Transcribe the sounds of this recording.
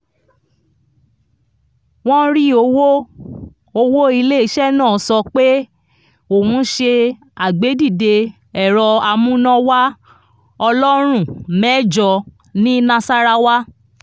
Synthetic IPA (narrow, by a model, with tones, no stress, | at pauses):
w̃ɔ̃˦ɾi˦o˧wo˦ | o˧wo˦i˧le˦i˧˦ʃɛ˦˨nãː˦˨sɔ˧k͡pe˦ | o˦˨wũ˧˦ʃe˧ | a˨ɡ͡be˨˦di˦˨de˧ | ɛ˦˨ɾɔ˧a˧mũ˦nɔ̃˧wa˦ | ɔ˧lɔ˦ɾ̃ũ˦˨mɛ˦d͡ʒɔ˧ | nĩ˦nã˧sa˦ɾa˧wa˦